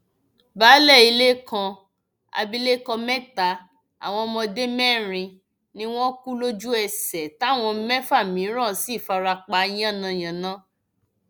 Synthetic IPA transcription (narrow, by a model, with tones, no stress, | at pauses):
baː˨˦lɛ˦˨i˧le˦kã˧ | a̰˧bi˦le˦kɔ˧mɛ˦ta˨˦ | a̰˨w̃ɔ̃˧mɔ̃˧de˦mɛ˦˨ɾ̃ĩ˧ | nĩ˦w̃ɔ̃˦ku˦lo˦d͡ʒu˦ɛ˧sɛ˨ta˦˨w̃ɔ̃˧mɛ˦fa˦˨mĩ˨˦ɾ̃ã˦˨si˦˨fa˧ɾa˧k͡pa˧˦j̃ã˦˨nã˧j̃ã˨nã˨˦